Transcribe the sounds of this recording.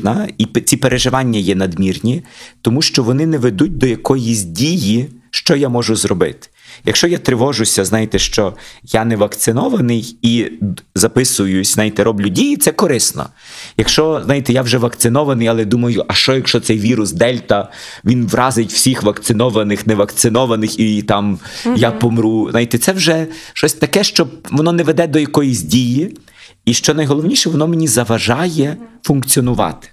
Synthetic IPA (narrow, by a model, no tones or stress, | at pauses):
nɐit͡sʲipeɾʔeʒɪʋɑnʲːɐjɛnɐd̪mʲirnʲit̪ɔmuʃt͡ʃɔʋɔnɪnɛʋed̪ut̚ʲd̪ɔjɐkɔjizʲdʲijiʃt͡ʃɔjamɔʒʊzɾɔbɪ̰t̪ɪ̥jɐkʃt͡ʃɔjat̪ɾɪʋɔʒʊsʲɐznɑjɪt̪ɛʃt͡ʃɔjanɛʋɐkt̪sɪnɔʋɐnɪjizɐpɪsʊjʊsʲzɑjɪt̪ɛɾɔblʲʊdʲijit̪sɛkɔɾɪsnɔ̰ | jɐkʃt͡ʃɔznɑjit̪ɛjawʒɛʋɐkt̪sɪnɔʋɐnɪjɐlˠɛd̪umɐjʊʔɐʃt͡ʃɔjɐkʃt͡ʃɔt̪sɛjʋʲiɾʊsd̪ɛlʲt̪ɐ | ʋʲinʋrɑzɪtʲw̥sʲixʋɐkt̪sɪnɔʋɐnɪxnɛʋɐkt̪sɪnɔʋɐnɪxit̪ɑmjapɔmɾuznɑjit̪ɛt̪sɛwʒɛʃt͡ʃɔsʲt̪ɐkɛʃt͡ʃɔbʋɔnɔnɛʋed̪ɛd̪ɔjɐkɔjisʲdʲiji | iʃt͡ʃɔnɐjɦɔlˠɔwnʲiʃɛʋɔnɔmenʲizɐʋɐʒɑjɛfunk̪t͡sʲiɔnʊʋɑ̰t̪ɪ̥